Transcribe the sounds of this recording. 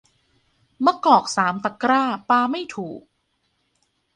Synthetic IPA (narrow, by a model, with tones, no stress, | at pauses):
ma˧˥kɔː˨˩k̚saː˩˦mt̪a˨˩kɾaː˥˩paː˧ma˥˩jt̪ʰuː˨˩k̚